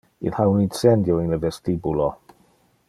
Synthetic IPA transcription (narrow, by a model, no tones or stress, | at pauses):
ḭnhawninsɛndjɔinlɪvɛstibulɔ